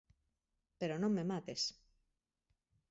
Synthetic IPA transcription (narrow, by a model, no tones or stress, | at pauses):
peɾonõŋmemat̪es